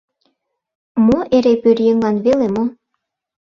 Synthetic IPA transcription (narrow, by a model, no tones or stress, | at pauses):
moʔeɾepøɾjeŋlɑnβelemo